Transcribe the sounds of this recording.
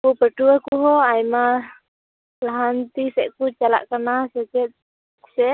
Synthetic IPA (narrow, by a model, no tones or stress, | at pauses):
kupəʈuwakuɦɔajma | laɦant̪isɛʔkut͡ʃala̰ʔkanasɛt͡ʃɛt̪̚ | sɛ